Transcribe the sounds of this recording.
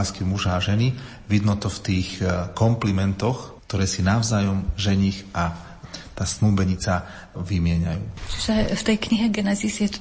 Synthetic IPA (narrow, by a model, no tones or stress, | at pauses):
skimuʒaːʒɛni | ʋid̪nɔt̪ɔft̪iːxkɔmplimɛnt̪ɔxkt̪ɔɾɛːsinaʊzaːjɔmʒɛɲixa | t̪aːsnuːbɛɲit͡sa | ʋimɪɛɲa̰juːt͡ʃiʒɛft̪ɛjkɲiɦɛɡɛnɛzisjɛt̪